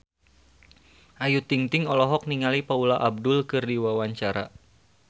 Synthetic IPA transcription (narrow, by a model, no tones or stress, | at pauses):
ʔajut̪iŋt̪iŋɔlɔɦɔk̚niŋalipaulaʔab̚dʊlkɨrdiwawaɲt͡ʃaɾa̰